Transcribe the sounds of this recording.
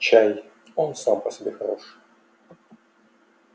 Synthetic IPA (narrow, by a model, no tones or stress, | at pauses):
t͡ɕæj | onsampəsʲɪbʲexɐɾo̞ʂ